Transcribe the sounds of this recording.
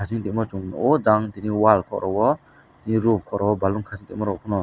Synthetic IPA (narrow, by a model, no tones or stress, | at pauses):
asiŋt̪iʔ̚mɔt͡ʃuŋɔd͡ʒaŋt̪iniwalkʰɔ̰ʔɾɔwɔ | t̪iniɾubkʰɔʔɾʔɔwɔbaluŋkʰasiŋt̪iʔ̚mɔɾɔkʰunɔ